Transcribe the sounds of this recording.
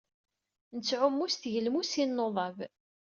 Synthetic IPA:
nət͡sːʕʊmːusθʝəlmusinːoðˤɑv

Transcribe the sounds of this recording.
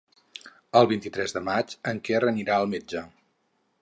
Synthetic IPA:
əlˠβint̪it̪ɾɛzðəmat͡ʃəŋkɛrəniɾaəlˠmed͡ʒə

